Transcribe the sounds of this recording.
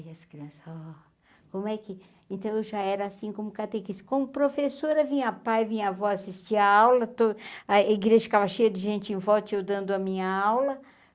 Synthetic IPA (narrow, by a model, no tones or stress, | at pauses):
ɐskɾiɐ̃sɐɔ | kõmʊɛkɪ | ẽnt̪ɐ̃w̃ewʒaɛɾɐasĩkõmʊkat̪ekiskõmʊpɾofesoɾɐvĩɲɐpajvĩɲavɔasist͡ʃiɐawlɐt̪oɐiɡɾeʒɐʃt̪avɐʃejɐd̪ɪʒẽnt͡ʃɪẽvɔwt͡ʃɪewd̪ɐ̃nd̪ʊɐmĩɲɐawlɐ